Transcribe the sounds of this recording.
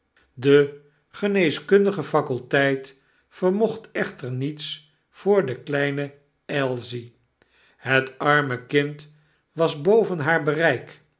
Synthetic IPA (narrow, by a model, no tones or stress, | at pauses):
də | χənejskɵndəχəfɑkɵlˠtɛjt | fəɹmɔχtɛχtəɹnits | fʊːɹdəklɛjnə | ɛlˠzi | ɦətɑɹməkɪnt | ʋɑzbowvənɦaːɹbərɛjk